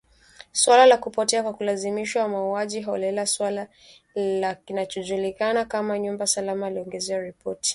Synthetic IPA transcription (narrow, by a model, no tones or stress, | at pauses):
swalalakupɔtɛakwakulazimiʃwawamauaʄiɦɔlɛlaswala | lakinat͡ʃɔʄulikanakamaɲumbasalamaliɔŋɡɛzɛaɾipɔti̥